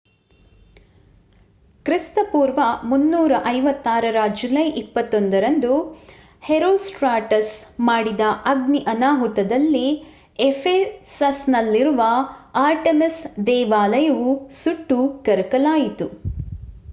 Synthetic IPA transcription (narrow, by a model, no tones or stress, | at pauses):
kɾist̪ɐpuːɾʋɐmunːuːɾɐʔɐjʋɐt̪ːaːɾɐɾɐd͡ʒulɐjʔipːɐt̪ːond̪ɐɾɐnd̪u | heɾoːsʈɾaːʈɐsmaːɽid̪ɐʔɐɡniʔɐnaːɦut̪ɐd̪ɐlːi | efʰeːsɐsnɐlːiɾuʋɐaːɾʈemisd̪ɛːʋaːlɐjɐʋusuʈːukɐɾkɐlaːjit̪u